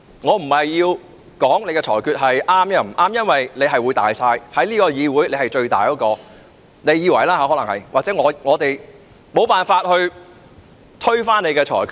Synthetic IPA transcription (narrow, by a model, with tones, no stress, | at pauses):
ŋɔː˨˧m̩˨˩hɐ˨jːiː˧w | kɔː˨˥ŋne˨˧jkɛː˧t͡ʃʰɔ̰ː˨˩jkʰyː˧t̚ɦɐ˨jʔaː˥mjɛː˧˩m̩˨˩ʔaː˥mjɐ˥nwɐ˨jne˨˧jɦɐ˨jwuː˨˧jt̪a̰ː˨jsaː˧jhɐ˨˥jliː˥kɔː˧jiː˨˧wuː˨˥jle˨˧jhɐ˨˩jt͡ʃɵ˧ɥt̪aː˨jkɔː˨˧˥kɔː˧ | ne˨˧jiː˨˧wɐ˨˩jlaː˥aː˧˥ɔ˨˥lɐ˨˩ŋhɐ̰˨jwʔaː˨k̚t͡sɛ˨˥ŋɔː˨˧ŋɔː˨˧t̪e˨j | mo˨˧wpaː˨˩nfaː˧t̚hɵ˧ɥ | t̪ʰɵ˥ɥfaː˥ne˨˧jkɛː˧t͡ʃʰɔ̰ː˨˩jkʰyː˧